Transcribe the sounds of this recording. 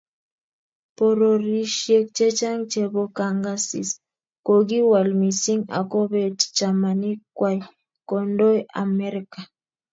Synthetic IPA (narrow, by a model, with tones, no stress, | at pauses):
po˨ɾo˨ɾi˦ʃje˦k̚t͡ʃe˦t͡ʃa˦ŋt͡ʃe˨βo˦ka˨ŋɡa˦sḭ˨s | ko˨ɡi˦wa˨lmi˨si˦ŋa̰˨ko˦βe˨tt͡ʃa˨ma˨ni˦kwa˦j | ko˨ndo˦ja̰˨me˦ɾika˨